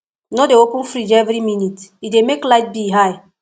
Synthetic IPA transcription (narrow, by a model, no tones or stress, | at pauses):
nodeokũnfɾid͡ʒɛvɾiminitidemeklaɪt̚biɦaj